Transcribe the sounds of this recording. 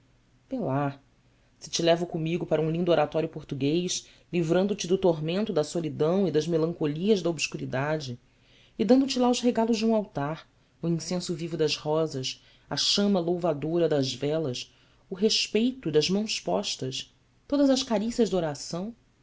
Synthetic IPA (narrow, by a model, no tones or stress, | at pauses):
ela | sɪ̥t͡ʃilɛvɐkomiɡʊpaɾɐũlĩnd̪ʊoɾat̪ɔɾjʊpoɾt̪uɡejʃ | livɾɐ̃nd̪ʊt͡ʃɪd̪ʊt̪oɦmẽnt̪ʊd̪ɐsolid̪ɐ̃w̃id̪ɐzmelɐ̃ŋkoliɐzd̪ɐobʃkuɾid̪ad͡ʒɪ | ɪd̪ɐ̃nd̪ʊt͡ʃɪlaʊzɦeɡalʊʒd͡ʒɪũawt̪aɾ | ʊĩsẽsʊvivʊd̪ɐzhɔzɐʃ | ɐʃɐ̃mɐlowvad̪oɾɐd̪ɐzvɛlɐʃ | ʊɦeʃpejt̪ʊd̪ɐzmɐ̃w̃spɔ̰ʃt̪ɐʃ | t̪od̪ɐzɐʃkaɾisɐʒd̪oɾasɐ̃w̃